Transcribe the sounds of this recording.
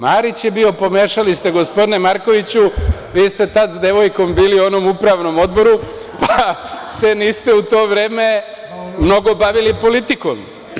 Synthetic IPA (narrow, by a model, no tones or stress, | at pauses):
maːɾit͡ɕjebio̞po̞meːʃalist̪eɡo̞spo̞d̪inemaɾko̞ʋit͡ɕuʋiːst̪e̞t̪ad̪zd̪e̞ʋo̞jko̞mbiːlio̞nomupɾaʋno̞mo̞d̪bo̞ɾu | pase̞niːst̪e̞ut̪o̞ːʋɾe̞ːme̞ | mno̞ɡo̞baʋilipo̞lit̪iko̰m